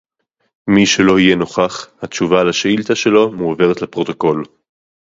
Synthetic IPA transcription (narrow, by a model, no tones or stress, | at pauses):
miʃe̞lo̞ijeno̞χaχhat̪t͡ʃuvalaʃeilt̪aʃe̞lo̞muove̞ʁet̪lepʁo̞t̪o̞ko̞l